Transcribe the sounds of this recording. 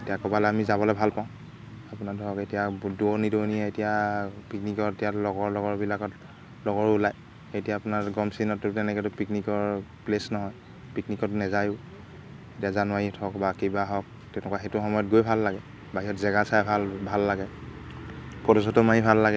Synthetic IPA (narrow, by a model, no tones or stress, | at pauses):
etijakɔbalɛamizabɔlɛbʱalpaʊ̃ | apunatuɦɔketijaduɔnidɔniɛetijapiknikɔetijalɔɡɔɹlɔɡɔɹbilakɔt | lɔɡɔɹʊlaj | xejtijaːpʊnaɹɡɔmsinɔtʊtɛnɛkɛtʊpiknikɔɹplesnɔɦɔj | piknikɔtnɛzajʊ | etijazanwaɹitʰɔkbakibaɦɔk̚ | tɛnɛkwaxetʊxɔmɔjɔtɡojbʱalːaɡɛ | baɦiɔtzɛɡasajbʱalbʱalːaɡɛ | pɔdɔsɔtɔmanibʱalːaɡɛ